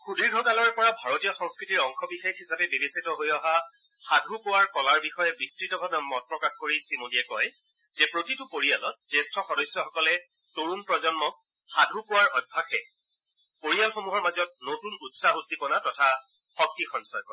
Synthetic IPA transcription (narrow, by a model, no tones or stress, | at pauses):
xudiɹɡʱɔkalɔɹpɔɹabʱaɹotijɔxɔŋskɹitiɹɔŋxɔbixexhisapɛbebisitɔɦojɔɦa | xadʱupowaɹkɔlaɹbixɔjɛbistɹitɔbʱabɛmɔt̚pɹɔkaxkoɹisimodiɛkɔj | zɛpɹotitʊpoɹijalɔt̚zestʰɔxɔdɔjsjɔxɔkɔlɛ | toɹunpɹɔzɔnmɔ | xadʱupowaɹɔjbʱaxɛ | poɹijalxomuɦɔɹmazɔt̚notunutsaɦutːipɔnatɔtʰa | xɔk̚tixɔnsɔjkɔ